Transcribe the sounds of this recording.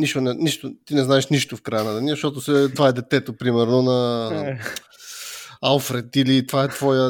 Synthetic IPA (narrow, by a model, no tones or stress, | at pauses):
niʃt̪onɛniʃt̪ot̪inɛznaɛʃniʃt̪ofkɾajənat̪ənizɐʃt̪ɔt̪osɛt̪vaɛd̪ɛt̪ɛt̪opɾimɛɾnonɐ | alˠfɾɛt̪ilit̪vaɛt̪vɔjə